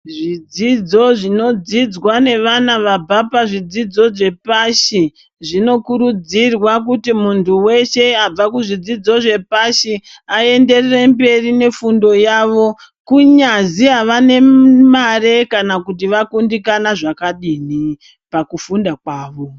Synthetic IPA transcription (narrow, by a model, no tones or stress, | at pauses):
ʐid͡zid͡zo̞ʐino̞d͡zid͡zwane̞ʋanaʋab͡vʱapaʐid͡zid͡zo̞ʐe̞paʃi | ʐino̞kuɾud͡zirwak̬utimuntʰuwe̞ʃe̞ab͡vakuʐid͡zid͡zo̞ʐe̞paʃi | ae̞nde̞rere̞mbe̞rine̞fundo̞jaːʋo̞ | kuɲaziɦaʋane̞mare̞kanakut̬iʋakundikanaʐakaɗiːni | pakufundakwaːʋo̞